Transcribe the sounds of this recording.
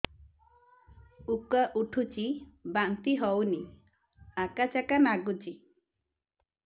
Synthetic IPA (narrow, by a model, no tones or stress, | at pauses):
ukaʔuʈʰut͡ʃibant̪iɦɔwni | akat͡ʃakanaɡut͡ʃi